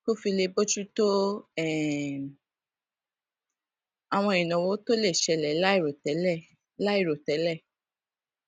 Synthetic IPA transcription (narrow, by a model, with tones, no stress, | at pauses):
ko˦fi˧le˧bo˦d͡ʒu˦to˦ɛ˦˨ | a˨w̃ɔ̃˧˨ĩ˨nã˨wo˨˦to˦le˦˨ʃɛ˧lɛ˨˦la˦i˦˨ɾo˨tɛ˨˦lɛ˦˨ | la˦i˦˨ɾo˨tɛ˨˦lɛ˦˨